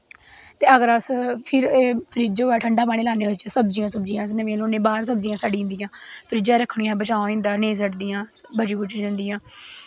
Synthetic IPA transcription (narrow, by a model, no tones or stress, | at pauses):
t̪eːəɡəɾəspʰɪɾeːpʰəɾiːd͡ʒoːɛːʈʰəɳɖaːpaːɽ̃eːlaːneːʋɪt͡ʃsəbd͡ʒijãːsəb̚d͡ʒijãːs̬nəʋẽːloːnẽːbaːɾsəb̚d͡ʒiːãːsaːɖĩːnd̪ijãːpʰəɾiːd͡ʒãːɾəkʰːɳijãːbət͡ʃaːõɪ̃nd̪aːneːs̬əʈd̪ijãːbəd͡ʒiːbʊt͡ʃd͡ʒə̃nd̪ijãː